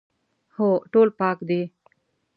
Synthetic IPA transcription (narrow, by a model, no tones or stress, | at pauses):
hoːʈoːlpɑːkd̪e